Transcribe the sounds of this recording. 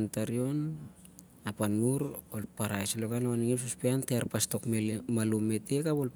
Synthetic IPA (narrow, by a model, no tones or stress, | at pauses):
ntaɾio̞n | apanuɾolpaɾajselokanawaniŋes̬uspeanteaɾpasto̞kmemalume̞te̞kapol